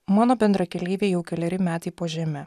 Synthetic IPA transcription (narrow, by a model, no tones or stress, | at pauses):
mɑːnoːbʲɛnd̪ɾɐkʲɛlʲiːʋʲeːjɛʊkʲɛlʲɛɾʲɪmʲæːt̪ɐɪpoːʒʲɛmʲɛ